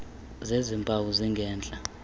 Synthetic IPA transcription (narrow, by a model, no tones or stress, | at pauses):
zezimpʼawuziŋɡʱɛːnd͡ɮʼa